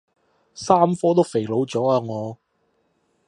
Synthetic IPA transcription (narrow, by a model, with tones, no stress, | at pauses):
saː˥mfɔː˥t̪̬o˥wfe˨˩jlo˨˧wt͡sɔː˨˥aː˧ŋɔː˨˧